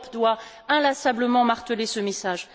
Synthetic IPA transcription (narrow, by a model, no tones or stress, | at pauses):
pd̪wa | ɛ̃lasabləmɑ̃maʁt̪əlesəmesaʒ